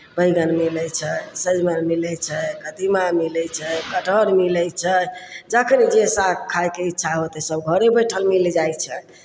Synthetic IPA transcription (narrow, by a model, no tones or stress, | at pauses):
bəjɡənmilɛt͡ʃʰɛsəd͡ʒmənmilɛt͡ʃʰɛkəd̪imamilɛt͡ʃʰɛkəʈʰəɾmilɛjt͡ʃʰəd͡ʒakʰənid͡ʒesakkʰːajkeitːʃʰaɦot̪ɛsəbɡʱəɾebəjʈʰəlmild͡ʒajt͡ʃʰən